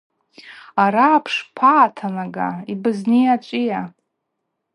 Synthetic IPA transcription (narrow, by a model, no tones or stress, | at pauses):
aɾaːpʰʂpʰaːtʰanaɡa̰ibɨznijat͡ʃʷʼija